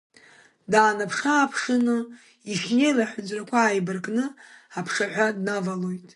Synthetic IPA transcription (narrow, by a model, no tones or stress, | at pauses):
daːnapʰχʲaːpʰχʲɪnɨ | iχʲne̞jlaħʷᶣʊd͡ʒrakʷʰaːjbɨrkʼnɨapʰχʲaħᶣʷadnavalojtʼ